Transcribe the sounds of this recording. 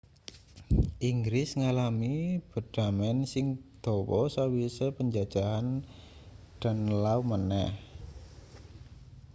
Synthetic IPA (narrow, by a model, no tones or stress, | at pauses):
ʔiŋɡɾɪsŋalamib̥ə̤d̪̥a̤mɛnsɪŋd̪̥ɔ̤wɔsawisepəɲd͡ʒad̥ʒ̥aɦan | d̪̥a̤nlaumənɛh